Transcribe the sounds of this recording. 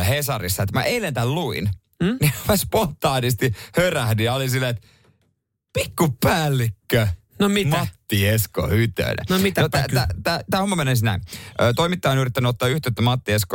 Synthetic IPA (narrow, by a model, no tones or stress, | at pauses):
hesɑrisːɑet̪mæ̰ʔeilent̪ælluḭn | nimæspont̪ɑːnist̪ihøræhdyjɑolisilːeet̪ | pikːuppæːlːikːø | nomimɑt̪ːiesko̰hyt̪ø̰nḛnomit̪not̪ææt̪æːt̪æːhomːɑmenensinæ̰inʔøːt̪oimit̪ːɑjɑnyrit̪ːænːˑot̪ːɑːyht̪et̪ːæmɑt̪ːiesko